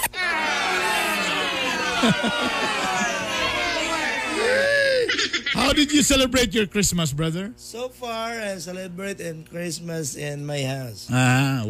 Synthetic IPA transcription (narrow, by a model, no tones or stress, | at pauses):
jɛ | haʊdɪdjusɛlɛbɹeɪtjɔɹkɹɪsməs̬bɹʌðə˞soʊfaɹaɪsɛlɛbɹeɪtɪ̃nkɹɪsməsɪ̃nmaɪhaʊsa